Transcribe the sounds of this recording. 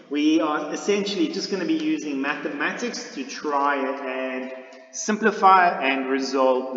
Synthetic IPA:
wiəɪsɛ̃nʃəlid͡ʒʌsɡ̥ʌñəbijʉːzɪ̃ŋmæθəmætɪkstʰɨtʰɹ̥aɪɨ̃n | sɪ̃mpləfaɪɨ̃nɹɪzɔlˠv

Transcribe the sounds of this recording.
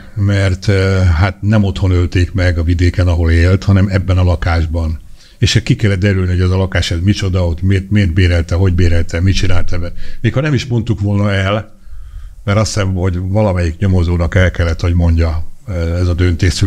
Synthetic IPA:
mɛrt̪ɦaːt̪nɛmo̞t̪ho̞nølt̪eːkmɛɡɒvid̪eːkɛnɒɦo̞leːlt̪hɒnɛmɛbːɛnɒlɒkaːʒbɒn | eːʃɛkikɛlːɛt̪̚d̪ɛɾylniho̞ɟɛzɒlɒkaːʃɛzmit͡ʃo̞d̪ɒot̪meːrt̪meːrt̪̚beːɾɛlt̪ɛɦo̞ɟbeːɾɛlt̪ɛmit͡ʃinaːlt̪ɛbɛmeːkhɒnɛmiʃmo̞nt̪ukʋo̞lnɒɛl | mɛɾɒsɛnho̞ɟvɒlɒmɛjikɲo̞mo̞zoːnɒkɛlkɛlːɛt̪ho̞ɟmo̞ɲɟɒɛzɒd̪ønt̪eːsy

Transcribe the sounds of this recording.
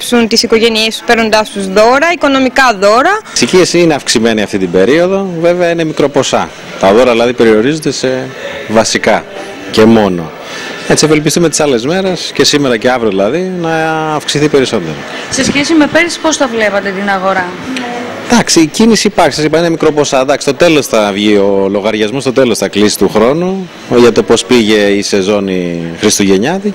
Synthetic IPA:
psunt̪isiko̞ʝe̞niest̪u̥speɾno̞nd̪ɐst̪uzðo̞ɾɐiko̞no̞mikɐðo̞ɾɐsiciesineɐfksime̞niɐft̪it̪ibe̞ɾio̞ðo̞ve̞veɐine̞mikɾo̞po̞sɐ̰ | t̪ɐðo̞ɾɐðilɐðipe̞ɾio̞ɾizond̪e̞sevɐsikɐ | ce̞mo̞no̞̰ | e̞t͡siɐvelp̬ist̪ume̞t̪i̥sɐle̞zme̞ɾe̞sce̞simeɾɐceɐvɾioðilɐðinɐːfksiθipe̞ɾiso̞nd̪e̞ɾɐ | se̞sçesimepeɾspost̪ɐvlepɐt̪et̪inɐɣo̞ɾɐ | d̪̥ɐksiːcinisipɐksisesipɐinemikɾo̞po̞sɐd̪ɐksist̪o̞t̪e̞lo̞sθɐvʝio̞lo̞ɣɐɾʝɐzmost̪o̞t̪e̞losθɐklisi̥t̪uxɾo̞nu | ʝɐt̪o̞po̞spiʝe̞ise̞zo̞nixɾist̪uʝe̞ɲɐði

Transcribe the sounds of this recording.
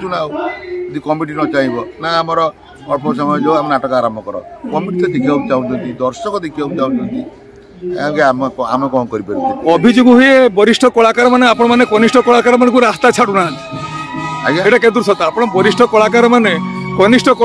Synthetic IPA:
t͡ʃunaoɔd̪ikɔmiʈinɔt͡ʃaɦĩbɔnaamɔɾɔ | mɔpʰɔs̬ɔmɔjɔd͡ʒewamenaʈɔkɔaːɾɔmbʱɔkɔɾɔ̰kɔmiʈit̪ɔd̪ikʰiabut͡ʃaũnt͡ʃʰɔnt̪id̪ɔɾsɔkɔd̪ikʰiabut͡ʃaũnt͡ʃʰɔnt̪i | ãkeamkɔamekɔmɔkɔɾipaɾũt̪ʰiɔbʱid͡ʒoɡɔɦujebɔɾisʈʰɔkɔɭakaɾɔmaneapɔɽ̃ɔmanekɔnisʈʰɔkɔɭakaɾɔmanɔ̃kuɾast̪at͡ʃʰaɽunat | a̰jaeʈaked̪uɾsɔt̪aapɔɽ̃ɔbɔɾisʈʰɔkɔɭakaɾɔmanekɔnisʈʰɔkɔ

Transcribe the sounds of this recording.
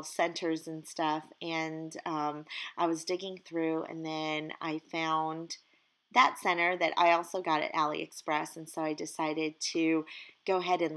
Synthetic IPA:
lˠsɛ̃ntʰə˞zɨ̃nstʌfʔɨ̃nʌ̃mʔaɪwʌzdɪɡɪ̃ŋθɹʉɨ̰̃nðɨ̃na̰ɪfãʊ̃n | ðətsɛ̃ɾ̃ə˞ðɨɾa̰ɪɔlˠsoʊɡɑɾɨ̰ɾælˠḭɨ̰kspɹɛsn̩soʊaɪdɨsaɪɾɪd̚tʰɨɡ̥oʊɦɛɾɨ̃n

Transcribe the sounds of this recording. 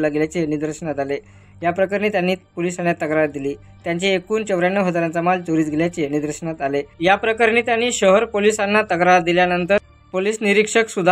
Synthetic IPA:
laɡeljat͡ɕenid̪əɾʂəɳat̪ale | japɾəkaɾniːt̪janːiːpolisanjat̪əɡɾaɾ̚d̪iliː | t̪jaɲt͡ɕiekuːnt͡ɕəʋɾjanːəɦəd͡zaɾant͡samalt͡soɾiːt͡s̪ɡʱeljat͡ɕenid̪əɾʂəɳat̪alejapɾəkəɾniːt̪janːiːɕəɦəɾpolisanːat̪əɡɾad̪iljanənt̪əɾ | poliːsniɾikʂəksud̪ʱ

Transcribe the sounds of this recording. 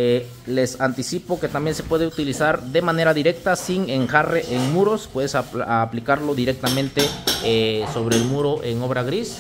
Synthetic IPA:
le̞sant̪isipo̞ke̞t̪ambje̞nsepwe̞ðeut̪ilisaɾd̪e̞mane̞ɾaðiɾe̞k̚t̪asiŋeŋxare̞ʔeŋmuɾo̞spwe̞ðesaaplikaɾlo̞ðiɾe̞k̚t̪amẽ̞nt̪e̞ | so̞βɾe̞ːlmuɾoʔe̞ŋo̞βɾaɣɾis

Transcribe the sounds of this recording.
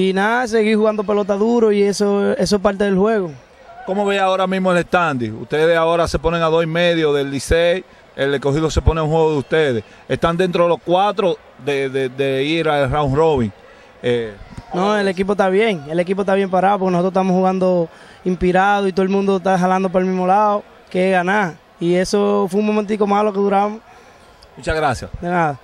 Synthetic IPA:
inaas̬eɣihuɣand̪op̬e̞lo̞t̪aðuɾoiesoes̬oespaɾt̪eðelhwe̞ɣo | komoβeao̞ɾamizmoele̞st̪and̪iṵst̪eðesaoɾase̞poneŋaðosimeðjoðelːisei | elekoɦiðose̞po̞neaũŋhweɣoðeust̪eðes | est̪and̪e̞nt̪ɾoðelo̞skwat̪ɾo | ðeðeðeiɾaelrawŋroβiŋ | enoelek̬ip̬ot̪aβ̞je̞ŋelek̬ip̬oet̪aβjempaɾaop̬okensot̪ot̪amohuɣand̪o | impiɾaðoit̪oelmũnd̪ot̪aɦalãnd̪opaɾelmĩsmolao | keɣanaɾ | iesofweuŋmõmẽnt̪̬ikomalokeðuɾaβamo | mut͡ʃaɣɾasja̰sd̪enaða

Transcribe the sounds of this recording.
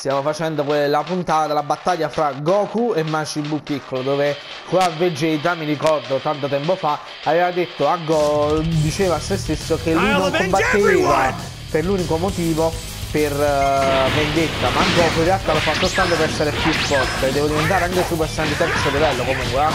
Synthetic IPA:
st̪jaːvofat͡ʃɛnd̪okwelːapunt̪aːt̪ad̪elabat̪ːaʎːafɾaɡɔːkuemːat͡ʃimbup̪ːikʰːolod̪oːve | kwaved͡ʒeit̪̬ɾamːiɾikɔrd̪ot̪ant̪ot̪ɛmpofa | aveːvad̪et̪ːoaɡɔd̪it͡ʃeːvasest̪esːokelːujnnõŋkombat̪ːeva | perluːnikomot̪iːvo | per | vːend̪et̪ːamaɡɔːkurialt̪ːalɔfːat̪ːot̪ːant̪opeɾɛsːeɾepjufːɔrt̪ed̪ːɛːvod̪ivent̪aːɾeaŋkesupɛsːɛnd̪it̪ɛksod̪ivɛlːokomuŋkwe

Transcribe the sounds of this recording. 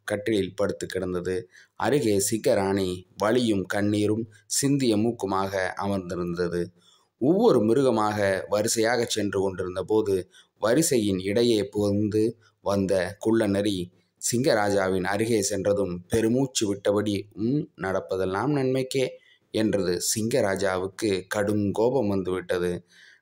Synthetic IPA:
kɐʈːɪlɪlpɐɽɯt̪ːɯkːɪɽɐnd̪ɐðɯɐ̰ɾɯɣeːsɪŋɡɐɾaːɳiʋɐɭɪjɯmkɐɳːiːɾɯm | sɪnd̪ɪjɐmuːkːɯmaːɣɐʔɐ̰mɐɾnd̪ɪɾɯnd̪ɐðɯ | ɔʋːɔɾɯmɪɾɯɣɐmaːɣɐʋɐɾɪsɐjaːɣɐt͡ʃːɛndrɯkɔɳɖɪɾɯnd̪ɐpoːðɯ | ʋɐɾɯsɐjɪnɪɽɐjeːpoːnd̪ɯ | ʋɐnd̪ɐkʊɭːɐnɐɾi | sɪŋɡɐɾaːd͡ʒaːʋɪnɐɾɯɣeːsɛndrɐðɯmpɛɾɯmuːt͡ʃːiʋɪʈːɐpɐɽimnɐɽɐpːɐðɐlnaːmnɐnmɐɪkːeː | ɛndrɐðɯsɪŋɡɐɾaːd͡ʒaːʋɯkːɯkɐɽɯŋɡoːbɐmʋɐnd̪ɯʋɪʈːɐðɯ

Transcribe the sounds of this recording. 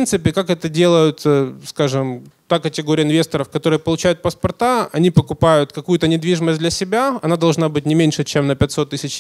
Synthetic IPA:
nt̪sɨpʲɪkakɛt̪ədʲelˠəjʊt̪skaʐɨmt̪akətʲɪɡoɾʲɪjəɪnvʲest̪əɾəfkɐt̪o̞ɾɨjəpəlˠʊt͡ɕæjʊt̪̚pəspɐrt̪aɐnʲipəkʊpajʊt̪kɐkujʊt̪ənʲɪd̪vʲiʐɨməsʲd̪lʲɐsʲɪbʲaɐnad̪ɐlˠʐnabɨtʲnʲɪmʲenʲʂɨt͡ɕemnəpʲɛtʲso̞t̪ːɨsʲɪt͡ɕ

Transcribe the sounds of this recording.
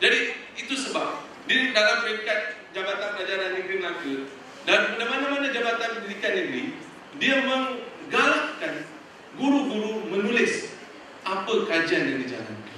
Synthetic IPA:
d͡ʒadi | it̪usəbap̚ | didalampəkat̪̚d͡ʒabat̪anpad͡ʒananĩŋɡɾiməlakə | danmadamanãmanãd͡ʒabat̪anəənikanĩŋɡɾi | diamə̃ŋɡalaʔkan | ɡuɾuɡuɾumənulɪs | ʔapəkad͡ʒianaŋdid͡ʒa̰la̰n

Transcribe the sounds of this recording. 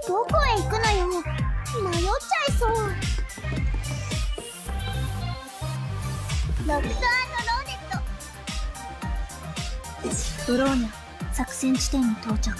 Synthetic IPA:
d̪̥okoeikɯ̟nojonimajot͡ɕaisoː | ɾokɯt̪aanoɾoːnet̪ːo | bɯ̟ɾoːne | sakɯ̟̥sẽɲ̟t͡ɕi̥t̪ẽ̞ɲ̟ːit̪o̞ːt͡ɕakɯ̥

